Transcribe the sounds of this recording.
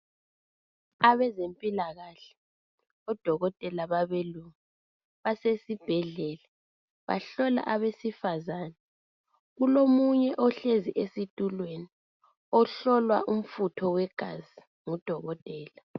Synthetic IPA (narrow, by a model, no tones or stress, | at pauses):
aβɛzempʼilaɣaɬɛ̥ | ɔd̥ʱɔɣɔtʼɛlaβaβeluŋa | βasesib̥ʱɛɮɛːlɛ | βa̰ɬɔla̰ʔaβesifazaːnɛ | ɣulomuɲɛʔɔɬeziʔesitʼulweni | ɔɬɔlwaʔum̩futʰɔwɛɡ̥ʱazi | ŋud̥ʱɔɣɔtʼɛːla